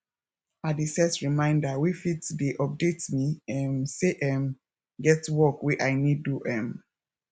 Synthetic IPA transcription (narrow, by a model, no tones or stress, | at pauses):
adisɛtɹimãɪ̃ndawifitdeʔɔp̚detmiɛ̃mseʔɛ̃m | ɡɛtwɔkwiʔaɪnid̚ːuʔɛ̃m